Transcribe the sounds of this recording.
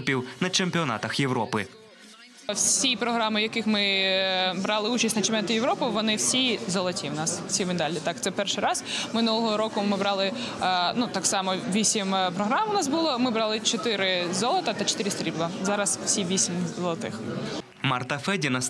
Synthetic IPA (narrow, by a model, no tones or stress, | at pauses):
pʲiwnɐt͡ʃemʲpʲiɔnɑ̰t̪ɐxjewɾɔpɪ | wssʲijpɾɔɦɾɑmɪjɐkɪxmɪ | bɾɑlˠɪut͡ʃɐsʲnɐt͡ʃempʲɛnɑt̪ɐjeʋɾɔpɪʋɔnɪwsʲizɔlˠɔtʲiwnɑsw̥sʲimed̪ɑlʲit̪ɑkt̪sɛpɛrʃɪjɾɑz̥mɪnulˠɔɦɔɾɔkʊmɪbɾɑlˠɪ | nut̪ɑksɑmɔʋʲisʲimpɾɔɦɾɑmʊnɑsbulˠɔmɪbɾɑlˠɪt͡ʃɔt̪ɪɾɪzɔlˠɔt̪ɐt̪ɐt͡ʃɔ̥t̪ɪɾɪst̪ɾʲiblˠɐzɑɾɐswsʲiʋʲisʲimzɔlˠɐt̪ɪ̰x | mɐrt̪ɐfɛdʲinɐs